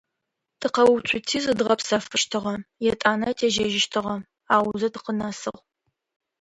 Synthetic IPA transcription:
tʰɨqɐwt͡ʃʷʰʼʊtʰiːzɨdʁɐpsɐfɨʃtʰɨʁɐjɛtʼaːnɐtʰeːʒɐʒɪʃtʰɨʁɐ | aːwʊzɐtʰɨqənaːsɨʁ

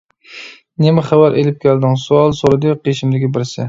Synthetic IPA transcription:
nemɪχæwæɾʔelɪp̚kʲʰæld̪ɪŋsuɑlˠsoɾɨd̪ɨqʰeʃɪmd̪ɪkʲibɪɾsɪ̰

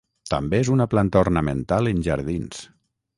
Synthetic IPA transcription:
t̪əmbeezunaplant̪ornəmənt̪alənʲʒaɾðins

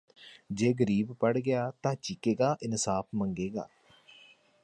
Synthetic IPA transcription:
d͡ʒeːɡəɾiːbpəɽɡɪjaːt̪ãːt͡ʃɪkeːɡaːʔɪnsaːpʰməŋɡeːɡa̰ː

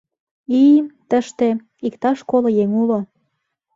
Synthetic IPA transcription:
it̪əʃt̪e | ikt̪ɑʃkolŏjeŋulo

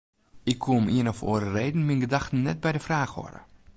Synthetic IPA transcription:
ɪkʰːumiənɔfo̰ːəɾərejdn̩minɡədaxtn̩nɛt̚bɛjdəfraːxhɔ̰rə̰

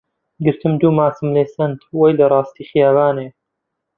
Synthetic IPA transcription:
ɡɨɾt̪ʰɨmd̪uːmaːsɨmleːsɐnt̪wɐjlɐrˤɑːst̪iːxjaːvaːneː

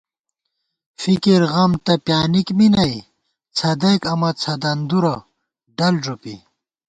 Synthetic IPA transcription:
fikiɾɣɐmt̪ɐpjaːnikminɐj | t͡sʰɐd̪ejkɐmɐt͡sʰɐd̪ɐnd̪uɾɐ | ɖɐlʐopḭ

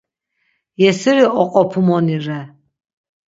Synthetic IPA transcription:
jɛsɛɾiɔqʼɔpʰumɔniɾɛ

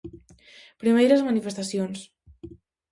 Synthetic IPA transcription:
pɾimejɾəzmanifest̪asjons

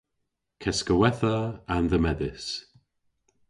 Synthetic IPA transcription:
kʰɛskəwɛθəanðəmɛðɪs

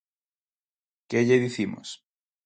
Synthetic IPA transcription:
keʎeðiθimo̰s

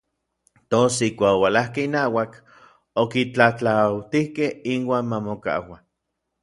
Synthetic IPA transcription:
t̪osihkʷaːkowalahkeinaːwak | okit͡ɬat͡ɬawt̪ihkehinwaːnmamoka̰wa

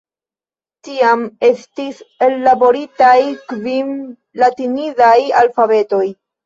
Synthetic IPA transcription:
tiame̞stise̞lːabo̞ɾitajkvim | latinizajalfave̞to̞j

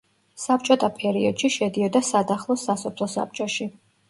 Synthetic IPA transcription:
sap̚t͡ʃʼɔt̪ʼʰapʰɛɾiɔd̪̥ʃiʃɛd̪iɔd̪asad̪aχlˠɔsasɔpʰlˠɔsa̰p̚t͡ʃʼɔʃi

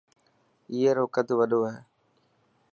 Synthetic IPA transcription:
iːeɾoːkəd̪ʱʋəɗoːɦeː

